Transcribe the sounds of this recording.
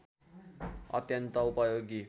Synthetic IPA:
ʌ̰t̪jʌnt̪ʌupʌjoɡi

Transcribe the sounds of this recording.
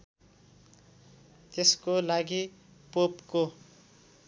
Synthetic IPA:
t̪eskolaɡi | popko

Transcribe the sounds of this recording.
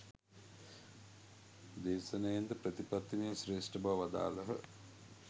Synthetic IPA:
d̪eːsɐnəjend̪əpɾət̪ipat̪ːimijsɾeːsʈəbɐʋʋad̪a̰ːləɦə

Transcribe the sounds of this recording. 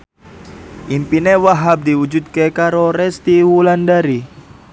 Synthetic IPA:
ʔimpinewaɦap̚d̪iwud͡ʒud̪̚kekaɾoɾɛst̪iwulandaɾi

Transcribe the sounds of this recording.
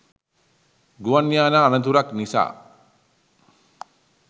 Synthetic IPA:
ɡuʋanjaːnaːnət̪uɾaknisa̰ː

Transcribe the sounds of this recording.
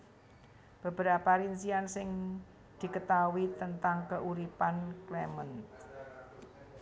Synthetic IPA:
b̥ə̤b̥əɾapaɾinsiansɪŋ | d̪̥i̤kət̪awit̪ənt̪aŋkəʔuɾipanklɛmən

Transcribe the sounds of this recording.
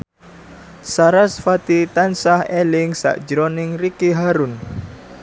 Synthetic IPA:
saɾasfat̪it̪ansahelɪŋsa̰ʔd͡ʒɾɔnɪŋrikiɦaɾʊn

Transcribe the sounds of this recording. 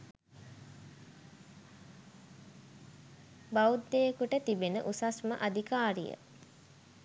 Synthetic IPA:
baud̪ːejəkuʈət̪ibenə̰ʔusasməʔad̪ikaːɾḭjə̰

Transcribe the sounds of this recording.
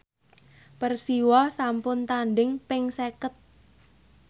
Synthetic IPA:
pərsiwɔsampʊnt̪anɖɪŋpɪŋsekət̪̚

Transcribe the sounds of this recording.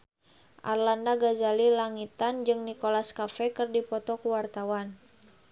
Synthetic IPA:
ʔa̰rlandaɡazalilaŋit̪and͡ʒɨŋnikolaskafɛkɨrdipɔt̪ɔkuwart̪awan

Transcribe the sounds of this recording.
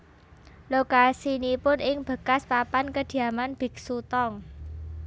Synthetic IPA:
lokasinipʊnɪŋb̥ə̤kaspapankəd̪̥i̤amanb̥ɪ̤k̚sut̪ɔŋ

